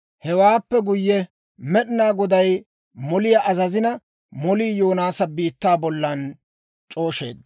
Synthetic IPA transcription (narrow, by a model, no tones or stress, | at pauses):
hɛwaːpːɛɡʊjːɛ | mɛɗɪnaːɡɔd̪ɐj | mɔlɪjɐʔɐzɐzɪnɐ | mɔliːjoːnaːsɐbiːt̪ːaːbɔlːɐn | t͡ʃʼo̞ːʃe̞̰ːd̪